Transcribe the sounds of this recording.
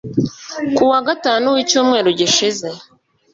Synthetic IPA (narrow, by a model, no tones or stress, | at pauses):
kuwaɡataːnuwiːcuːmŋe̞ːɾoɟiʃize̞